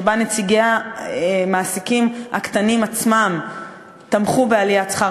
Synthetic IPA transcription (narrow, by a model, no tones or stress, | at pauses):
banet͡siɡea | maːsikimha̰kt̪animat͡smam | t̪amχubealijat͡sχa